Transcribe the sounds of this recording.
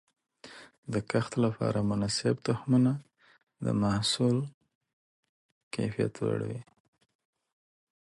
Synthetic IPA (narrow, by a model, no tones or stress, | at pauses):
d̪əkaxt̪lapɑ̰ɾamʊnɑsɪb̚t̪ʊhmuna | d̪ə̰mahsul | ka̰jfija̰t̪wa̰ɽa̰wi